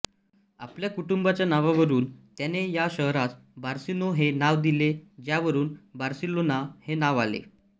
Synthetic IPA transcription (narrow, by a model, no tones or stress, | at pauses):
a̰pljakuʈumbat͡ɕjanaʋaʋəɾuːnt̪janejaɕəɦɾat̪ | baɾsinoɦenaʋd̪iled͡ʑjaʋəɾuːnbaɾsilonahenaʋalḛ